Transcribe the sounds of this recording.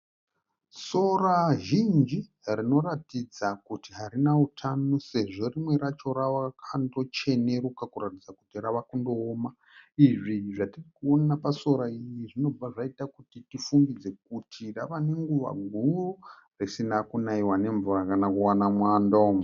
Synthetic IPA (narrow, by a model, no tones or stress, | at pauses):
so̞raʒind͡ʒi | rino̞ratid͡zakutiɦaɾinautʰanuse̞ʐo̞rimwe̞ɾat͡ʃo̞ɾawakʰando̞t͡ʃe̞ne̞ɾukakuratid͡zakutiraʋakundo̞ːma | iʐiʐatirikuoapaso̞ɾaijiʐino̞b͡vaʐaitakutitifumbid͡ze̞k̚utʰiraʋane̞ŋɡuʋa̰ɡʱuo | risinakunaiwane̞ɱvurakanakuwanamwandom